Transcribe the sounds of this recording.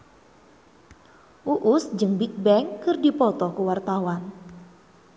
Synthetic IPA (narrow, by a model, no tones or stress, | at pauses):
ʔuʔusd͡ʒɨŋbik̚bɛŋkɨrdipɔt̪ɔkuwart̪awan